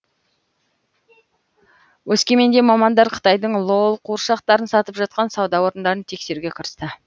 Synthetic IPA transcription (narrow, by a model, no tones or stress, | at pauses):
wɵskʲe̞me̞nd̪e̞mɑmɑnd̪ɑɾqʰə̥t̪ɑjd̪əɴlˠolˠqʰuɾʃɑqt̪ɑɾənsɑt̪əpʒɑt̪̚qɑnsɑwd̪ɑwo̞ɾənd̪ɑɾənt̪ʰe̞kse̞ɾuɡʲe̞qʰəɾəst̪ə